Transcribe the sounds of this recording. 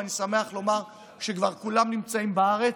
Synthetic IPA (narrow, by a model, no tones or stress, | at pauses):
anisame̞aχlo̞maʁ | ʃekvaʁkulamnimt͡saimbaaʁe̞